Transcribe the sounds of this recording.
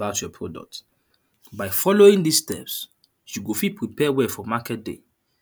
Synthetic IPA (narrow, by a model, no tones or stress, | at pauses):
aʊtjɔpʰɹɔdɔ̰k̚t | baɪfɔloĩŋdistɛ̰ps | juɡofipɹipɛwɛfɔmakɛt̚dḛ